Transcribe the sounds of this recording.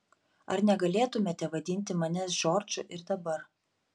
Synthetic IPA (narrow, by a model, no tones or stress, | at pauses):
ɐɾnʲɛɡɐlʲeːt̪ʊmʲeːt̪ʲɛʋɐd̪ʲɪnʲt̪ʲɪmɐnʲɛsʒoːɾʲd͡ʒʲʊʔɪɾd̪ɐbɐɾ